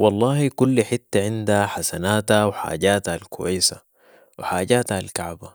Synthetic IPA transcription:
wɑlˤːɑːhikulːħit̪ːaʕɪnd̪aħasanaːt̪awħa̰ːɟaːt̪aalkʰṵwa̰jsa | wħaːɟaːt̪aalkaʕba

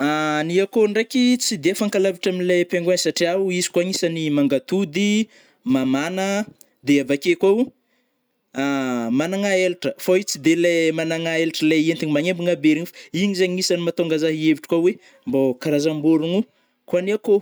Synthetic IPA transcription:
aniakoɳɖ͡ʐekit͡sid̪eafaŋkalaviʈ͡ʂaminilepeŋɡensaʈ͡ʂiauizi̥kwaŋisanimaŋɡat̪ud̪i | mamanə | d̪eavakekwau | amanaŋaeliʈ͡ʂəfoit͡sid̪elemanaŋaelʈ͡ʂəleent̪iɲimaŋembiŋabeɾiɲfḁiɲizeɲŋisanimat̪oŋɡazaɦieviʈ͡ʂi̥kawe | mbokaɾazambuɾunu | kuaniako

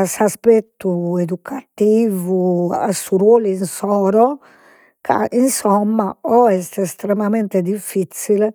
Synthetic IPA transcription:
asaspɛt̪ːued̪ukʰat̪iːvua̰suɾwolinsɔːɾɔ | kʰa̰insɔmːaɔɛst̪ɛst̪ɾɛmamɛnt̪ed̪ifːit̪sil

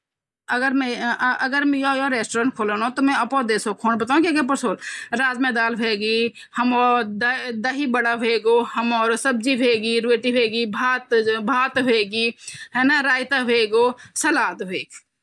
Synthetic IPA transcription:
əɡəɾmẽəɡəɾmjoːjoːɾeːsʈoːɾəɳʈkʰoːlonõt̪omɛ̃əpoːd̪eːsokʰoːnbət̪aːũkekep̬əɾsoːlɾaːzmẽːd̪aːlbʱeːɡiː | həmoːɾd̪d̪əɦibəɽabʱeːɡoːhəmɔːɾsəb̚d͡ʒibʱeːɡiɾeːʈibʱeːɡiːbʱaːt̪bʱaːt̪bʱeːɡiɦɛːnaɾaːjt̪abʱeːɡoːsɐlaːt̪bʱeːk

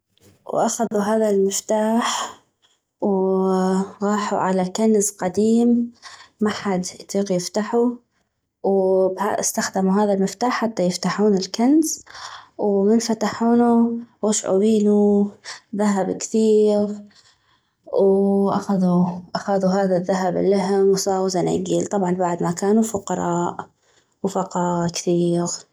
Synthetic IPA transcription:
wʔaxaðuɦaːðalmɪft̪aːħ | w | ɣɑːħuʕalakanzqɑd̪iːmː | aħad̪jt̪ˤiːqjɪft̪aħu | wba̰st̪axd̪ɪmuɦaːðalmɪft̪aːħːat̪ːajɪft̪aħuːnɪlkanzwmɪnfat̪aħuːnuwɪʃʕṵbiːnu | ðaɦabkθiːɣ | wʔaxaðuʔaxaðuɦaːðaðːaɦab̰lːaɦɪmwsˤɑːwzanʔɪ̰ɡiːlt̪ˤɑbʕɑnbaʕd̪makaːnufʊqɑɾˤɑːʔ | wfɑqɑːkθiːɣ

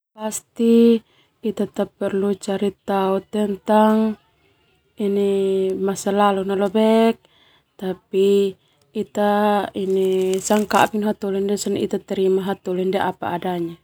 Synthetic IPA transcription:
past̪i | it̪at̪apːɛrlut͡ʃaɾit̪aut̪ɛnt̪aŋ | inemasalalunalobɛk̚ | t̪apiː | t̪ainesaŋka̰ʔpinɦat̪ulindesanḭt̪at̪ɛɾimaɦat̪ulindeʔapa̰ːdaɲa

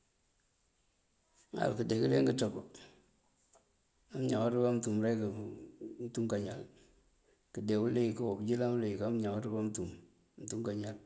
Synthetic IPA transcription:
ŋa̰lkədekileŋɡətɔkɔ | amɲawaɾubamtumɾekantuŋkaɲal | kidewulekawobd͡ʒilaŋulekamɲawatubamtum | ntuŋkaɲal

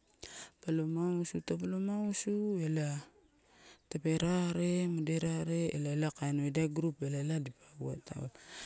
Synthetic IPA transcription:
palomausutapalomausuela | tape̞ɾaɾemadeɾaɾe̞ːlalakajnoedaɡɾupelaladipauata̰

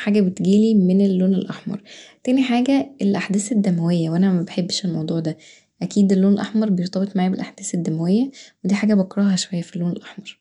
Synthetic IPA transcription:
ħaːɡæbet̪ɡiːlimenelːoːnelʔɑħmɑ̰ɾˤt̪æːniħaːɡæelʔaħd̪æːsed̪ːæmæwejːæwʔænæmæbeħebːeʃelmɑwd̪ˤuːʕd̪æ | ʔækiːd̪elːoːnelʔɑħmɑɾˤbejeɾt̪ˤɑbet̪ˤmaʕaːbelʔaħd̪̥æːsed̪ːæmæwejːæwed̪iːħaːɡæbɑkɾˤɑːɦɑʃowæjːæfilːoːnelʔɑħmɑɾˤ

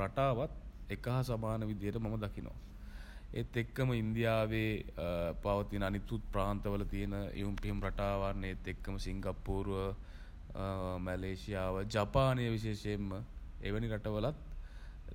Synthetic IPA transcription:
ɾaʈaːʋat̪ekəɦasamaːnəʋid̪ijəʈəmaməd̪akinʔo̰ʋa̰ | et̪ːekːəməind̪ijaːʋeːpaʋət̪inəanit̪ut̪̚pɾaːnt̪əʋələt̪ijənəʔḭʋumpiɦumɾaʈaːʋarnəet̪ːekːəməsiŋɡapːuːɾʋə | mæleːsijaːʋəd͡ʒapaːnijəʋiʃeːʂeemːəḛʋəniɾaʈəʋəlat̪̚

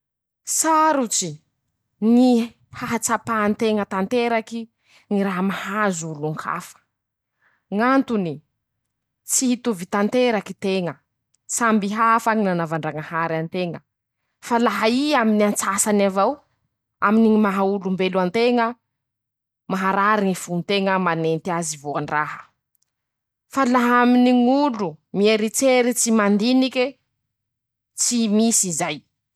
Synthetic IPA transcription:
saɾut͡si | ni | haɦat͡sapaːnt̪eŋət̪ant̪eɾaki | ŋiɾaɦəmahazuluŋkʰa̰fə̥ | ŋant̪uni | t͡sihit̪uvit̪ant̪eɾakit̪eŋə | sambiɦafaŋinanavaɳɖ͡ʐaŋəhaɾant̪eŋə | falaɦaiaminiant͡sasanavaw | a̰miniŋimaɦaulumbeluant̪eŋə | maɦaɾaɾiŋifunt̪eŋəmanent̪iazivoaɳɖ͡ʐaɦə̥ | falaɦaminiŋulumieɾit͡seɾit͡simand̪iniki | t͡simisizaj

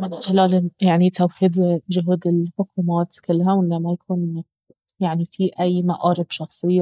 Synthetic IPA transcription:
mɪnxɪlaːlɪjaʕnit̪awħiːd̪ʒʊɦuːd̪ɪlħʊkuːmaːt̪kɪlːɦawɪːamːajakʰuːn | jaʕnifiʔajːmaʔɑːɾɪbʃɑxsˤɪjːa

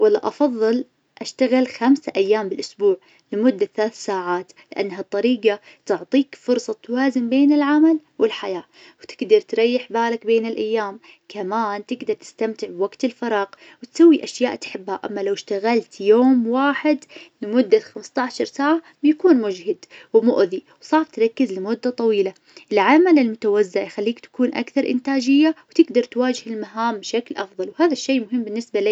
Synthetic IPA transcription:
walːaʔɑfɑðˤːɨl | ʔaʃt̪aɣɪlxamsaʔajːaːmbɪlʔʊsbuːʕ | lɪmʊd̪ːaθalaːθsaːʕaːt̪ | lɪʔa̰nːɦat̪ˤːɑɾiːqa | t̪ʊʕt̪ˤiːkfʊɾsˤɑt̪ːwaːzɪmbeːnɪlʕamalwɪlħajaː | wt̪ɪɡd̪ɑɾˤt̪ɾˤɑjːɪħbaːlakbeːnɪlʔajːaːm | kʰamaːnt̪ɪɡd̪ɑɾˤt̪ɪ̥st̪amt̪ɪʕbwaɡt̪ɪlfɑɾˤɑːq | wɪt̪sawːiʔaʃjaːʔt̪ħɪbːhaʔa̰mːalawɪʃt̪aɣalt̪joːmwaːħɪd̪mʊd̪ːaxamst̪ˤɑʕʃɑɾˤsaːʕa | bjakuːnmʊd͡ʒhɪd̪wmʊʔðiwsˤɑːft̪ɾˤɑkːɪzlɪmʊd̪ːat̪ˤɑwiːla | ʔɪlʕamalɪlmʊt̪awazːaʕjxalːiːkt̪ḁkuːnʔa̰kθɑɾˤʔɪ̰nt̪aːd͡ʒɪjːawt̪ɪɡd̪ɑɾˤt̪waːd͡ʒɪhɪlmaɦaːmbʃaklʔɑfðˤɑlwhaːðaʃːejːmʊɦɪmːbɪnːɪsbali

